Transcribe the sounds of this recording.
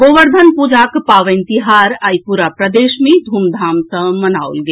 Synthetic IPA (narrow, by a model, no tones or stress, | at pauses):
ɡoʋəɾd̪ʱənpud͡ʒakpaʋənt̪iɦaɾaipuɾapɾəd̪esmed̪ʱumd̪ʱamsə̃mənawlɡe